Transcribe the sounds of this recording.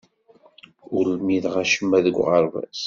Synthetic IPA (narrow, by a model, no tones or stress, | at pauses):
ʊɾlmiðʁaʃəmːæðəɡʷʁəɾˤvæ̰s